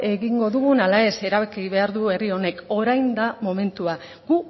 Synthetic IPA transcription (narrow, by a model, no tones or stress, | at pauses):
e̞ɣiŋɡo̞ðuɣunalae̞se̞ɾaβekiβe̞aɾðue̞rio̞ne̞ko̞ɾajnd̪amo̞me̞nt̪ua | ɡ̥u